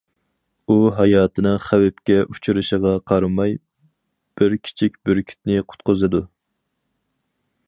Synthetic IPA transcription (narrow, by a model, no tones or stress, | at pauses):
uɦɑjɑːt̪ʰɨnɨŋχæwɛpkʲɛʔu̥t͡ʃʰuɾɨʃəʁɑqʰɑɾmɑj | b̥ɪɾkʲʰi̥t͡ʃʰik̚ʲbyɾkʲʰy̥t̪̚nɪqʰʊ̥t̪̚qʊzɨd̪u